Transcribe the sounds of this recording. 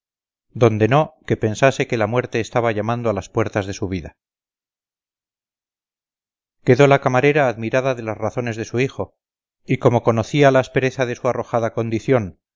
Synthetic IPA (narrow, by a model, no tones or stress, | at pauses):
d̪o̞nd̪e̞no̞ke̞pe̞nsase̞ke̞lamwe̞ɾt̪e̞ːst̪aβaʝamand̪oalaspwe̞ɾt̪azðe̞suβ̞iða | ke̞ðo̞lakamaɾe̞ɾaːðmiɾaðaðe̞lazraθo̞ne̞zðe̞suixo̞ | iko̞mo̞ko̞noθialaespe̞ɾe̞θaðe̞suaro̞xaðako̞nd̪iθjo̞n